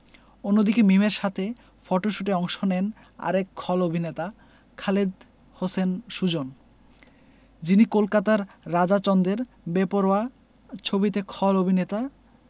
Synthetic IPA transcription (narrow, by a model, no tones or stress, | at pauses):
onːod̪ikemimeɾʃat̪ʰe | fɔʈoʃuʈ̬eɔŋʃonen | a̰ɾekʰːɔlobʱinet̪a | kʰalid̪ | hosenʃud͡ʑon | d͡ʑinikolkat̪aɾːad͡ʑat͡ɕɔnd̪eɾ | bepoɾoa | t͡ɕʰobit̪ekʰɔlobʱinet̪a